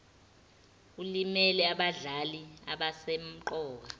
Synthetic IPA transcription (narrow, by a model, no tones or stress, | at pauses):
ulimɛlɛaɓaɮalia̰ɓasem̩ǃɔːk̬a